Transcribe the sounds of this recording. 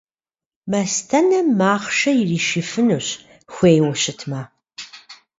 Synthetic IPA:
mɐstʰɐnɐmaːχʃɐjɪriːʃifɨnuɕ | xʷeːjwɐɕɪtʰma

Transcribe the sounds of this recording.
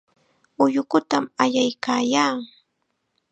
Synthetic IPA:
ʊjʊkʊt̪amajajkaːjaː

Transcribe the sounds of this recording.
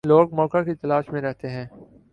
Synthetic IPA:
loːɡ̚mɔːkakit̪ɐlaːʃmẽɾɛɦt̪eɦɛ̃ː

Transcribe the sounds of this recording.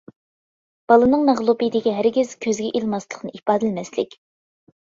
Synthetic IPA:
b̥ɑlˠɨnɨŋmɛʁlˠupɨd̪ɪɡʲɛɦæɾɡʲɪz̥kʲʰøzɡʲɛʔilˠmɑslˠəqnɨʔipɑːd̪ɪlmɛslɪ̰kʲ

